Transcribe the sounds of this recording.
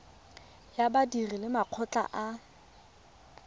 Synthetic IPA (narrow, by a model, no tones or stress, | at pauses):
jabadirilɪmaq͡χʰɔt͡ɬa̰ʔa